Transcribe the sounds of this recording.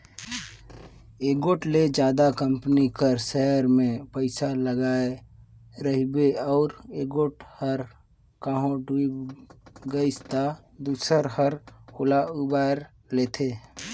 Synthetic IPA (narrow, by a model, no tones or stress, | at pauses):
eɡoʈled͡ʒjaːd̪akəmpnikəɾsəɦɾmẽpəɪsaləɡaːe | ɾəɦibeɔʊɾeɡoʈhəɾ | kãːɦõɖuibɡəɪst̪a | d̪usəɾhəɾkolaubaɾ | let̪ʰe